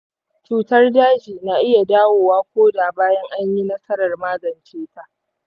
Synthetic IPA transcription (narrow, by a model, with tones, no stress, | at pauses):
t͡ʃuː˨tɐ˦rdaː˦d͡ʒiː˨naː˨ʔɪ˦ja˨daː˦woː˨waː˦kʷoː˦daː˨baː˦jɐ˦ŋʔa˦ɲji˦nɐ˦sɐ˦ɾɐ˨rmaː˦ɡɐ˨nt͡ʃeː˦ta˦ʔʔ